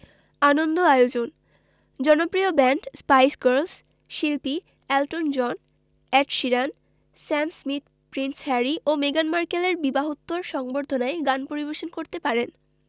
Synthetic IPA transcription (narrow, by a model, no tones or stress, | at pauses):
anond̪oajod͡ʑon | d͡ʑɔnopɾiobɛɳʈspajsɡeɾls | ʃilpi | ɛlʈond͡ʑɔn | ɛʈʃiɾan | sɛmsmit̪̚ | pɾinshɛɾiʔomeɡanmaɾkeleɾbibaɦot̪ːoɾʃɔŋboɾd̪ʱonaeɡanpoɾibeɾʃonkoɾt̪epaɾen